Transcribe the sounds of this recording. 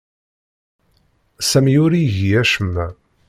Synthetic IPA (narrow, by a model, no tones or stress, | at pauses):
sæmjʊɾiʝiæʃəmːæ